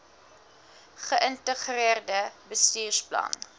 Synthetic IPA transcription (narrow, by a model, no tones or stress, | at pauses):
χəʔəntəχriərdəbəstiyːrsplɐ̰n